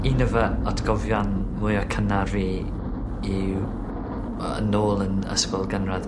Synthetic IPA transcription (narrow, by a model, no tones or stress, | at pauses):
inəvəɔtʰɡɔvjɔnmʊjɔkʰənarvi | iw | ə̰noːlˠənə̰spɔlˠɡənrað